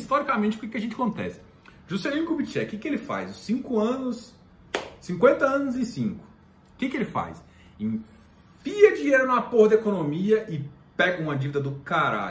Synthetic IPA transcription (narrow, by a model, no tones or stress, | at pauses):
st̪ɔɾikamẽnt͡ʃɪʊkɪkɪɐʒẽnt͡ʃɪɐkõnt̪ɛ̰sɪ̥ | ʒusẽlĩkubit͡ʃiɛ̰kɪkɪelɪfa̰jzʊsĩŋkʊɐ̃nʊs | sĩŋkwẽnt̪ɐɐ̃nʊzẽsĩŋkʊ̥ | kɪkɪelɪfa̰js | ĩ | fiɐd͡ʒiɲeɾʊnapohd̪ɐekonomiɐʔɪ | pɛɡɐũmɐd͡ʒivid̪ɐd̪ʊkaɾa̰ʎʊ